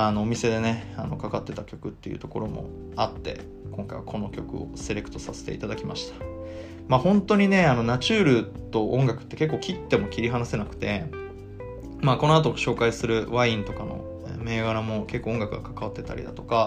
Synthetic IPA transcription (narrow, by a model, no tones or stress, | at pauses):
ano̞ːmʲise̞d̪e̞ne̞ano̞̰kakat̪ːe̞t̪akʲo̞kɯ̟t̪ːe̞jɯ̟ːt̪oko̞ɾo̞mo̞̰ | at̪ːe̞̰ | kõ̞ŋkaḭβa̰kʰo̞no̞kʲo̞kɯ̟o̰se̞ɾe̞kɯ̟̥t̪o̞sase̥t̪e̞it̪ad̪akʲimaɕi̥t̪ḁ | maːhõ̞nt̪o̞ɲ̟ine̞ano̞nat͡ɕɨːɾɯ̟t̪o̞ʔõ̞ŋɡakɯ̟̥t̪ːe̞ke̞kːo̞ːkʲit̪ːe̞mo̞kʲiɾʲiɦanase̞nakɯ̟̥t̪e̞ | maːko̞noat̪̬o̞ɕo̞ːkaisɨɾɯ̟βaĩnt̪o̞kano̞̰ | me̞ːɡaɾamo̞ke̞kːoːoŋɡakɯ̟ɡakḁkaβat̪ːe̞t̪a̰ɾʲḭd̪a̰t̪o̞̥ka